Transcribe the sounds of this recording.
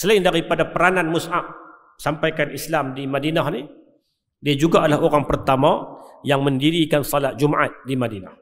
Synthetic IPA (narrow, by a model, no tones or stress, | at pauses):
səlaɪndaɾipadapəɾananmʊsaʔ̚ | sampajkanislamdimadinahni | diad͡ʒuɡaːdalahoɾaŋpərt̪amajaŋməndiɾikansɔlat̪̚d͡ʒumʔa̰t̪̚dimadina̰h